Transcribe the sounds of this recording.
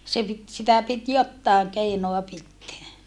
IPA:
se pit sitæ pit jotːɑˑeŋ keinoɑ pitːeæ

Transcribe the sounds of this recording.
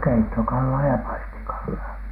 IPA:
keitːokɑlːɑː jɑ pɑistikɑlːɑː

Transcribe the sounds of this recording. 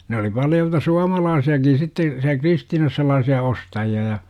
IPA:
ne oli pɑljoltɑ suɑmɑlɑːsiɑkin sitːe siæ kristiːnɑs sel̆lɑːsiɑ ostɑjiɑ jɑ

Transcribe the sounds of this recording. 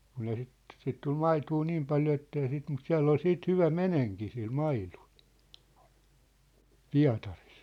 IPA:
kun ei sit sit tul mɑituː niːm pɑljo etːei sit mut siæ̝lː ol siːt hyʋæ meneŋki sil mɑilu̥l̥ piɑ̝tɑris

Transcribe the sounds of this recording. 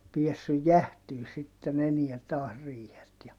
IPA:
piesːyj jæhtyː sitːen eniæ tɑːs riːhet jɑ

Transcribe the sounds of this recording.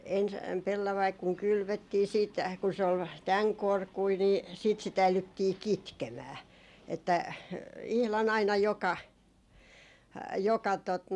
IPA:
ens pelːɑʋɑik kuŋ kylʋøtːiː siːt kun se ol tæŋ korkui niː siːt sit æilytːiː kitkemæː etːæ ihlɑn ɑinɑ jokɑ jokɑ tot

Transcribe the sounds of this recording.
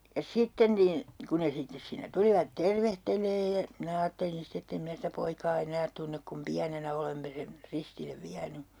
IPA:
jɑ sitːen nin ku ne sitːes siːnːæ tuliʋɑt terʋehteleːj jɑ minæ ɑːtːelin ste etː em mĭnæ sitæ poikɑː enæːt tunːek kum piænenæ olemːe sen ristilːeʋ ʋiæny

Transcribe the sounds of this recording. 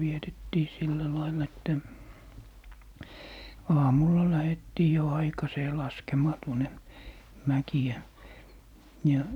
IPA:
ʋietetːiː silːæ lɑilːɑ̆ etːæ ɑːmulːɑ læhetːiː jo ɑikɑseː lɑskemɑː tuone mækiæ jɑ

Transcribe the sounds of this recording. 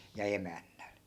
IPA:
jɑ emænːæl

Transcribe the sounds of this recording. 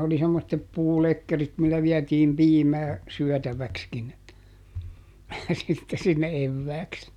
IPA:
oli semːotːep puːlekːerit milːæ ʋiætiːm piːmæː syœˑtæʋækskin sitːe sinːe eʋːæːks

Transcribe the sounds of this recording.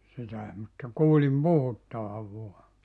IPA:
sitæe mutːɑ kuːlim puhutːɑʋɑʋ ʋuɑ

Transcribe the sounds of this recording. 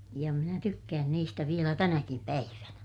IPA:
jɑ minæ tykːæːn niːstæ ʋielæ tænækim pæiʋænæ

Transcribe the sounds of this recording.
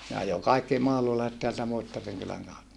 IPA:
ne ɑjo kɑikːi mɑhlulɑiset teæltæ muitːɑriŋ kylæŋ kɑutːɑ

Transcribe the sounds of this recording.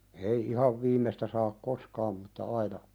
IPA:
ei ihɑʋ ʋiːmˑestæ sɑːk koskɑːm mutːɑ ɑinɑ

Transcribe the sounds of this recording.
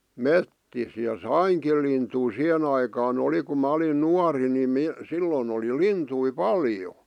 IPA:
metːis jɑ sɑiŋkil lintui sih̆en ɑikɑːn oli kum mɑ olin nuɑri ni mi silːon oli lintui pɑljo

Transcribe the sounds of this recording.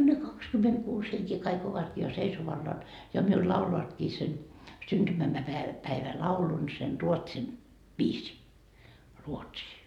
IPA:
ne kɑkskymetkuːs heŋkeː kɑik oʋɑtkiː jɑ seisoʋɑlːɑːn jɑ miul lɑuloɑtkiː sen syntymæ mæpæeʋæ pæiʋælɑulun sen ruotsin ʋiːsiː ruotsiː

